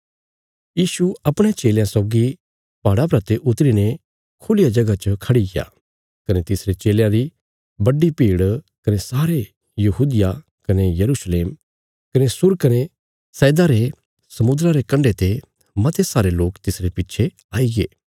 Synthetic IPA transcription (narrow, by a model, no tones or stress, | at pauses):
jiːʃuɐpɽ̃et͡ʃeːljãsɔːɡi | paːɽapɾɐt̪eʔʊt̪ɾine | kʰʊlɪjad͡ʒɐɡat͡ʃəkʰɐɽiɡɪja̰ | kɐnet̪ɪsɾet͡ʃeːljãɾi | bɐɖːipiːɽ | kɐnesaːɾe | jɐɦuːd̪ɪja | kɐnejɐɾusleːm | kɐnesʊɾkɐne | sɛːd̪aɾe | sɐmʊd̪ɾaɾekɐ̃ɳɖet̪e | mɐt̪ʰesaːɾeloːkt̪ɪsɾepɪːʃʰe | aːiɡḛː